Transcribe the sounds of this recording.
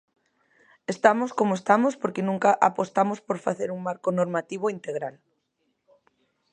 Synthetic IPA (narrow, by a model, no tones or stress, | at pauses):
est̪amoskomoest̪amospoɾkenũŋkaʔapost̪amospoɾfaθeɾuŋmaɾkonoɾmat̪iβ̞oint̪eɣɾal